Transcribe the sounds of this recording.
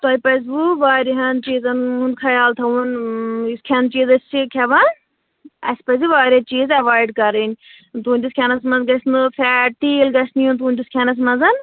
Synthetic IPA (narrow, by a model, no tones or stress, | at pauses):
t̪ojʲpɐs̬buʋaːɾʲiɦɐnt͡ʃiːzɐnunkʰɐjaːlt̪ʰɐuniskʲʰɐnt͡ʃiːzɐsʲt͡ʃʰikʰʲɐʋɐn | ɐ̰sʲpɐziʋaːɾʲjɐt͡ʃiːzɐʋaːjɖkɐɾinʲ | t̪uːnʲtʲisʲkʰʲɐnɐsmɐzɡɐsnɨfʰɛʈiːlɡɐsnijunt̪uːnʲtʲiskʰʲɐnɐs̬mɐnzɐn